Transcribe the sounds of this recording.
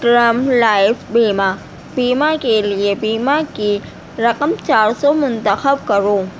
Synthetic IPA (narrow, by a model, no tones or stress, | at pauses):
ʈɾəmlaːɪfbiːma | biːmakeliebiːmaki | ɾɐqəmt͡ʃaːɾsɔmʊnt̪əxəbkɐɾoː